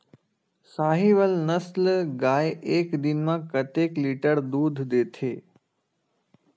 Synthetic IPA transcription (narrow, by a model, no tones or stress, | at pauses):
saːɦiʋəlnəslɡaːjeːkd̪ɪnmãkət̪eːkliʈəɾd̪uːd̪ʱd̪eːt̪ʰeː